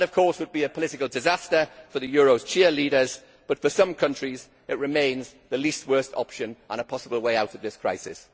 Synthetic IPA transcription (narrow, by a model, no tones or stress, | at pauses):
nəv̥kʰɔˑswəd̚biəpʰəlɪtɪkəlˠdɪzastəfəðəjɔːɹoʊz̥t͡ʃʰɛəliːɾəz | b̥ʌtfəsʌ̃mkʰʌ̃nt͡ʃɹ̥iz | ɪʔɹɪmẽɪ̃nzðəliˑst̚wɜˑstʰɒ̰pʃə̃nʔə̰̃nəpʰɒsəbəlˠweɪaʊtəvðɪskʰɹ̥aɪsɪ̰s